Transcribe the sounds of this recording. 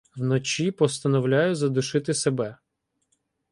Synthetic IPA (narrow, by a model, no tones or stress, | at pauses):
wnɔt͡ʃʲipɔst̪ɐnɔwlʲajʊzɐd̪ʊʃɪt̪ɪsebɛ